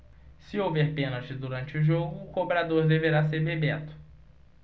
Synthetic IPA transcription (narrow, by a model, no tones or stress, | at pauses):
sɪowvɛɾpẽnɐt͡ʃɪd̪uɾɐ̃nt͡ʃɪuʒoɡʊːkobɾad̪oɾd̪eveɾaseɾbebet̪ʊ̥